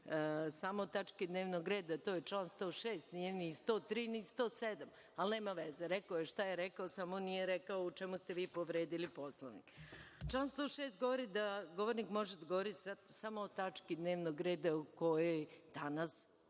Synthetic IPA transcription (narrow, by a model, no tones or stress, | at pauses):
samoːt̪at͡ʃkid̪neːʋnoɡɾeːd̪at̪oːjet͡ʃlanst̪o̞ːʃeːst̪nijenist̪oːt̪ɾiːnist̪oːsed̪am | alne̞ːmaʋezeɾɛkaojeʃt̪ajeɾekaosamonijeɾekaout͡ʃemust̪eʋiːpoʋɾeːd̪iliposlˠoʋnḭkt͡ʃlanst̪o̞ːʃest̪̚ɡo̞ʋoɾid̪aɡo̞ʋoɾnikmo̞ʒed̪aɡoʋoɾit̪sad̪samoːt̪at͡ʃkid̪ne̞ːʋnoɡɾeːd̪auko̞jojd̪̥anas